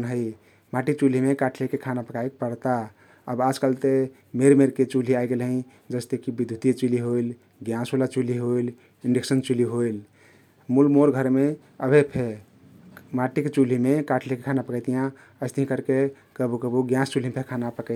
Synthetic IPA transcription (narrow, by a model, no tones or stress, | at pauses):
nɦəɪ | maʈit͡ʃul̤imekaʈʰlekekʰanapəkaekpəɽt̪a | əbad͡ʒkalt̪e | meɾmeɾket͡ʃul̤iaiɡelɦə̃ĩ | d͡ʒəst̪ekibid̪ʱjut̪it͡ʃuliɦoil | ɡjãsolat͡ʃuliɦoil | iɳɖeksənt͡ʃuliɦoil | mulmoɾɡʱəɾme | əbʱepʰe | maʈikt͡ʃul̤imekaʈʰlekekʰanapəkəjt̪ijã | əɪst̪iɦĩkəɾke | kəbukəbuɡjãst͡ʃulimpʰekʰanapəkə